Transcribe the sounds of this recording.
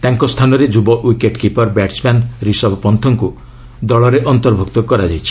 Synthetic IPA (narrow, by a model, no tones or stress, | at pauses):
t̪aŋkɔst̪ʰanɔɾed͡ʒubɔʔwikeʈkipɔɾbaʈt͡ʃmanɾisɔbpɔnt̪ʰɔŋku | d̪ɔɭɔɾeʔɔnt̪ɔɾbʱuk̚t̪ɔkɔɾad͡ʒajt͡ʃʰi̥